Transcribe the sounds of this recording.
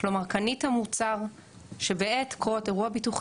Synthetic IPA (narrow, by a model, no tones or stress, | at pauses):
lomaʁkanithamut͡saʁ | ʃebeʔetkoʁote̞ʁuabituχ